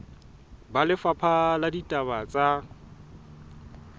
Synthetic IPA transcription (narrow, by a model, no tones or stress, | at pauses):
balɪfapʰaladitʼaβat͡sʼa